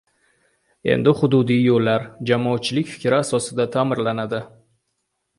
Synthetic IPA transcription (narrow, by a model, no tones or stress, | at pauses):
ḛnd̪ɪhʊd̪ʊd̪ijjolːaɾd͡ʒamɒːt̪̚t͡ʃʰɪlɪkʲfɪ̥kʲɾɪasɒsɪd̪at̪ʰaːmɪɾlanad̪ɪ